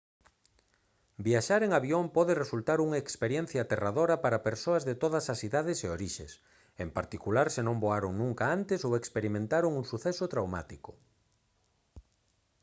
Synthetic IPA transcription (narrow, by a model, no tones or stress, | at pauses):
biaʃaɾeŋaβjompɔðeresult̪aɾuŋaekspeɾjɛ̃n̟θjaːt̪eraðoɾɐpaɾapeɾsoɐzðet̪oð̞ɐsɐsiðaðɪseoɾiʃḛs | empaɾt̪ikulaɾsenõmboaɾoŋnũŋkaant̪esowekspeɾimẽnt̪aɾoŋuŋsuθɛsʊt̪ɾawma̰t̪iko